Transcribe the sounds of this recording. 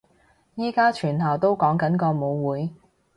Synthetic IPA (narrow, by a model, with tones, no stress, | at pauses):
jiː˥kaː˥t͡ʃʰyː˨˩nt̪ʰɐ˨˩wt̪o˥wkɔː˨˥ŋkɐ˨˥nkɔː˧mo˨˧wwuː˨˥j